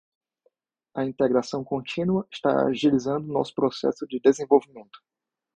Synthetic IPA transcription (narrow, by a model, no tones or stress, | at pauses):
ɐĩnt̪eɡɾasɐ̃w̃kõt͡ʃĩnuɐɪʃt̪aa̰ʒilizɐ̃nd̪ʊnɔ̰sʊ̥pɾosɛ̰sʊd͡ʒɪd̪ezẽvowvimẽnt̪ʊ̥